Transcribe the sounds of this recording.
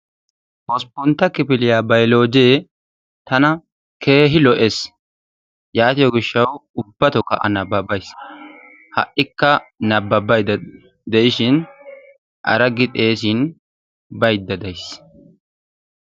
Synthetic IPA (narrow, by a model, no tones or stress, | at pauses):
hɔspːɔnt̪ːɐkɪpɪlɪjaːbɐjlo̞ːd͡ʒeː | t̪ɐnɐ | kʰe̞ːɦɪlɔʔes | jaːt̪ɪjɔɡɪʃːɐwʊbːɐt̪ɔkɐ̰ʔɐ̰nɐbːɐbɐjs | hɐʔɪkːɐnɐbːɐbɐj̪ | d̪ɛʔɪʃɪn | ʔɐ̰ɾɐɡɪt̪ʼe̞ːs̬in | bɐjd̪ːɐd̪ɐjs